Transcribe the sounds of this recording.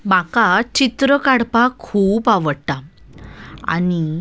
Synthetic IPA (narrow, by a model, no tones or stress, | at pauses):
m̤akat͡ɕit̪ɾəkaɽpakʰuːpaʋəɽʈ̪a | a̰ñi